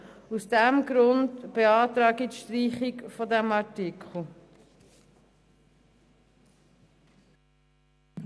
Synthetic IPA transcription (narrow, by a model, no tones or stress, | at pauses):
usd̥æmɡɾʊndb̥eɑːtɾɑːɡitʃtɾiːχikfɔdæmɑɹtɪkʰχl̩ˠ